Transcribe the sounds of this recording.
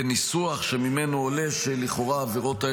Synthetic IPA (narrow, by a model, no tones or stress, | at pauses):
nisuaχʃe̞mime̞noːle̞ʃeliχo̞ʁaːveʁo̞t̪a